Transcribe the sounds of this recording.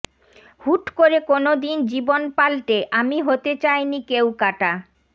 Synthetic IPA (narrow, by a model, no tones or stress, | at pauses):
huʈkoɾekonod̪ind͡ʑibonpalʈeʔamiɦot̪et͡ɕajnikewkaʈa